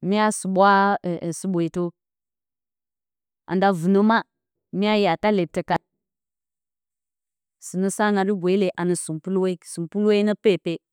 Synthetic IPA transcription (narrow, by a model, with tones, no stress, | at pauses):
mi˦ja˦su˨ɓwa˦˨si˦ɓʷo˨i˨to˦ | ʔa̰˨nda˨vu˨no˦ma˦ | mi˦ja˦ja˨ta˦le˨tə˨ka˨ | si˨nə˦sa˦na˨ɾi˦ɡʷe˨i˦le˨ʔa˨nə˨su˨mpu˦lwe˦i˦su˨mpu˦lwe˦i˦nə˦pe˦˨pe˦